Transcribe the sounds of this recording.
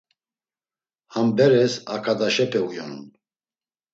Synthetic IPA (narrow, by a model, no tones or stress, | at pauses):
hambɛɾɛsakʰad̪aʃɛpʰɛujɔnun